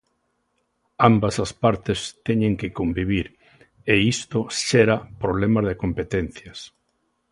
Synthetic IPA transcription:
ambasaspaɾt̪ɪst̪ɛɲẽŋkɪkombiβ̞iɾ | eist̪oʃeɾapɾoβlemazðekompet̪ɛnθjɐs

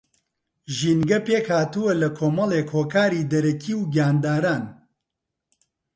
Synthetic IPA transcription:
ʒiːnɡɐpeːkhaːt̪uwɐlɐkʰoːmɐleːkʰoːkʰaːɾiːd̪ɐɾɐkʰiːwɡaːnd̪aːɾaːn

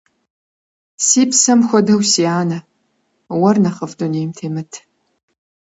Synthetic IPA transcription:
siːpsɐmxʷɔdɐwsiaːnɐ | wɐrnɐχɐvduneːjmtʰeːmɨtʰ

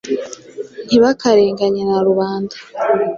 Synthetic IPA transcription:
n̥iβakaɾeːŋɡaɲenaɾuβaːnda

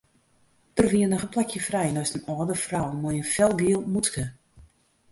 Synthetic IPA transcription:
d̥ərʋiənɔxənplɛkjəfrɛjnɔjstənɔːdəfrawmɔjənfɛlˠɡiəlˠmutkə

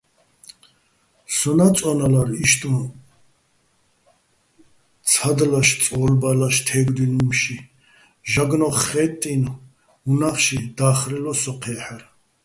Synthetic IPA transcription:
sɔnat͡sʼɔnalaɾiʃt̪ʼun | t͡sʰad̪laʃt͡sʼɔːlbalaʃt̪ʰɛːɡd̪inumʃi | ʒaɡnɔχɛt̪ʼːin | unaχʃid̪aːχɾɛlɔsɔqʰɛːħaɾ

